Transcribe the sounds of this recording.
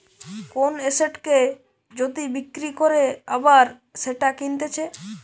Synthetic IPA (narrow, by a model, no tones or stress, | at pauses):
koneseʈke | d͡ʑod̪ibikːɾikoɾeabaɾ | ʃeʈakint̪et͡ɕʰe